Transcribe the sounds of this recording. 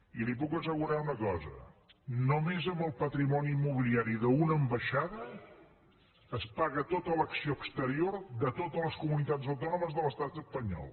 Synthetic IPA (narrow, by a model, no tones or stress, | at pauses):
ilipukəsəɣuɾaunəkɔzə̰nomezəmbəlˠpət̪ɾimɔniːmːuβ̞iliaɾiðəunəːmbəʃaðə | spaɣət̪ot̪ələksioəkst̪əɾioɾd̪ət̪ot̪ələskumunit̪azəwt̪ɔnuməzðələst̪at̪əspəɲɔ̰lˠ